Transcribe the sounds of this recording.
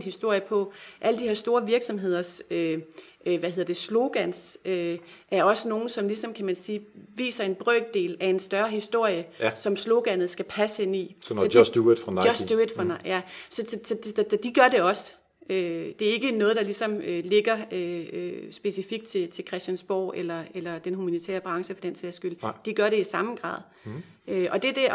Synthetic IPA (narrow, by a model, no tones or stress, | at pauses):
nhisd̥o̝ɐ̰jəpʰɒ̽ʔæləd̥iheɐsd̥o̝ːɐʋiɐɡ̥sɒ̽mɦe̝ð̞̰ˠɐsø | ʋæhe̝ð̞ˠɐd̥e̝slo̝ɡ̥æn̰søʔæɐɒ̽səno̝ːn̩sɒ̽mlisɒ̽mkʰæmænsiːʋḭːsɐe̝nb̥ʁœːɡ̥̚d̥e̝̰ːlæe̝nsd̥ɶɐhisd̥o̝ɐ̰jəsɒ̽mslo̝ɡ̥æn̰ð̞̩ˠsɡ̥æpʰæsəhen̰id̥u̥ʁnɒsd̥ued̥fʁɑnjæsɒ̽sɒ̽sɒ̥̽d̥iɡ̥ɶɐɾe̝ɒ̽s | ød̥e̝æɐe̝ɡ̥ənɔ̽ːð̞̩ˠd̥ɑ̈lisɒ̽møle̝ɡ̥ɐøøsb̥e̝sifiɡ̥d̥̚t͡sʰe̝t͡sʰe̝lkʰʁɛsd̥ænsb̥ɒ̰ːelɐelɐd̥enɦumænit͡sʰḛːɐb̥ʁɑ̈ŋsəfɒ̽d̥enseɐsɡ̥yl̰d̥iɡ̥ɶɐɾe̝isɑ̈mɡ̥ʁɑ̰̈ːð̞ˠ | øʔɒ̽d̥e̝d̥e̝